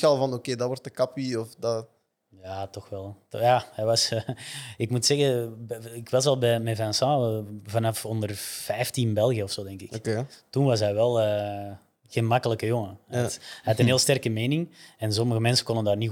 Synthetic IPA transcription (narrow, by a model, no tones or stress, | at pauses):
ɛlˠvɑnokeːdɑwɔrtəkɑpiɔfdɑ | jaːtɔxʋɛlˠjaːhɛjʋɑs | ɪkmutsɛɣəɪkʋɑs̬ʋɛlˠbɛmɛvɛnsɑ̃vɑnɑfɔndərv̥ɛjftinbɛlˠɣijəɔfsoːdɛŋkɪkketunʋɑs̬ɦɛjʋɛlˠəː | ɣenmɑkələkəjɔŋəɛthɛjɑtənɦeːlˠstɛrkəmeːnɪŋɛnsɔməɣəmɛnsə̥kɔndəndaːrni